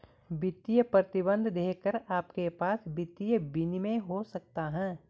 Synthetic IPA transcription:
bɪt̪ijəpɾət̪ɪbə̃nd̪ʱd̪eːkəɾaːpkepaːsbɪt̪ijəbɪnimẽɦosɐk̚t̪aɦɛ̃ː

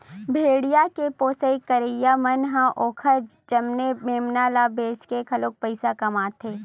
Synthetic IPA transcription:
bʱeːɽijakepoːsəikəɾejamɐnɦãʔoːkʰəɾd͡ʒd͡ʒɐmnemeːmnaːlaːbeːskekʰɐloːk̚pɐɪsakɐmaːt̪ʰeː

